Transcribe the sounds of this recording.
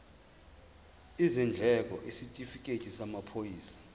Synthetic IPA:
izind͡ɮʱɛk̬ʼɔʔisitʼifikʼetʰʼisamapʰojiːsḁ

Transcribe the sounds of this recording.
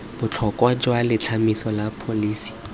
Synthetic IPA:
b̥ʊt͡ɬʰɔkʼwad͡ʒwalɪt͡ɬʰamisɔlapʰoliːsi̥

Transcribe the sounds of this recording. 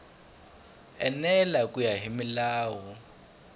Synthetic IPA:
ɛnɛlakʼujaɦimilaːwɔ

